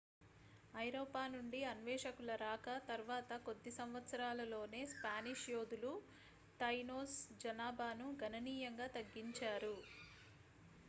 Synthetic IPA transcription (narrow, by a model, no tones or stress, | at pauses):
ɐjɾoːpaːnuɳɖiɐnʋɛːʂɐkulɐɾaːkɐt̪ɐɾʋaːt̪ɐko̞d̪ːisɐmʋɐt̪sɐɾaːlɐlo̞ːne̞ːspaːniʂjoːd̪ulu | t̪ɐjnoːsd͡ʒɐnaːbʱaːnuɡʱɐnɐniːjɐŋɡaːt̪ɐɡːiɲt͡ʃaːɾu